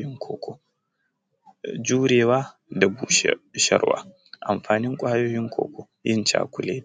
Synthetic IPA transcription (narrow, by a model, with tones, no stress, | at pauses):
ɪ˦ŋkʰoː˨kʰʷo˨ | d͡ʒuː˦ɾeː˨waː˦ | da˨buː˨ʃʃɐ̰˦ɾwa̰ː˦ | ʔa˨mɸaː˨nɪ˦ŋkʷʼa˦ha˦joː˦jɪ˦ŋkʷʰo̰ː˨kʰʷo˨ | jɪ˦nt͡ʃa̰ː˦kʷʊ˨leː˦˨